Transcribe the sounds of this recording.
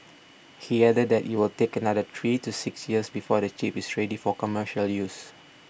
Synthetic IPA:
hiɛdədːɛʔjuwɪltekənadətʰɹitusɪksjiəsbifɔdət͡ʃipɪsɹɛdifɔkɔməʃəljus

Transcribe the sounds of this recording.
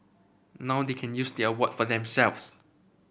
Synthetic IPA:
nawdekʰɛ̃njusdiəwɔtfɔdɛ̃msɛlfs

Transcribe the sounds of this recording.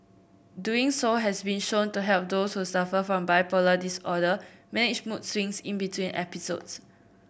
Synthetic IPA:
duĩŋsoɦɛsbĩnʃõntuɦɛlp̚doshusafəfɹɔ̃mbaɪpɔlədisɔdəmɛnɪd͡ʒmutsɹĩŋsĩnbitʰwĩnʔɛ̰piso̰ds

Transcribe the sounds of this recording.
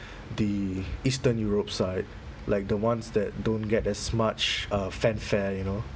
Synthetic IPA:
diistə̃njuɹop̚saɪt̚ | laɪk̚dəwãnsdɛt̚dõnɡɛtɛsmat͡ʃʌfɛ̃nfɛjuno

